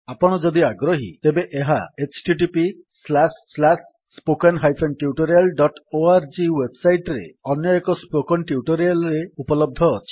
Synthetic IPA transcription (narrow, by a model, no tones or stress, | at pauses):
apɔɽ̃ɔd͡ʒɔd̪iaɡɾɔɦḭt̪ebeʔeɦaet͡ʃʈiʈipi | slasːlasː | pokenɦajpʰenʈiuʈɔɾialɖɔʈoaɾd͡ʒiwebsajʈɾḛɔnjɔekɔspokɔnʈiuʈɔɾialɔɾeupɔlɔb̚d̪ʱɔːt͡ʃʰi̥